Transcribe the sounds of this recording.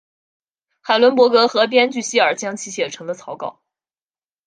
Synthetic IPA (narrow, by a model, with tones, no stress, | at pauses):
xa˨˩ɪlwə˧˥npwɔ˧˥kɤ˧˥xɤ˧˥p̬jɛ˥nt͡ɕy˥˩ɕi˥ə˞˨˩t͡ɕjɑ˥ŋt͡ɕʰi˧˥ɕjɛ˨˩ʈ͡ʂʰɤ˧˥ŋd̪ə˧t͡sʰɑ˧˥ʊkɑ˥˩ʊ